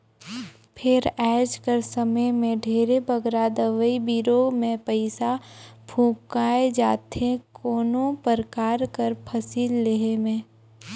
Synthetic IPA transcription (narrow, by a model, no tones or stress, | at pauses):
pʰɪɾɛːd͡ʒkəɾsəməjmẽɖʱeːɾebəɡɾad̪əʋəibiɾoːmẽpəɪsabʰʱũːkaːed͡ʒaːt̪ẽkoːnõpəɾkaːɾkəɾpʰəsiːlːeɦemẽː